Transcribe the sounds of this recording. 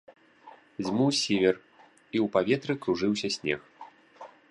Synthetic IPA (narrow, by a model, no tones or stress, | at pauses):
zʲmusʲivʲɛr | iuwpavʲɛt̪ɾɨkɾuʐɨwsʲɐsʲnʲɛ̰x